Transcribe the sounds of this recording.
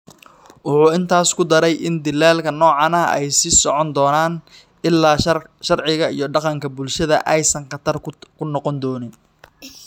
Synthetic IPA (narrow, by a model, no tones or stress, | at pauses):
wʊħuːɪnt̪ʰaːskʰʊd̪ɐɾɛjʔɪnd̪ɪlːaːlkʰɐnɔːʕɑnɐɛ̰jsisɔʕɔnd̪ɔːnaːn | ɪlːaːʃɐrʕɪɣɐḭjɞɖɑqɑŋkʰɐbʊlʃɐðɐ̰ʔɛjsɐŋqɑt̪ʰɐrkʰʊnɔqɔnd̪ɔːnɪn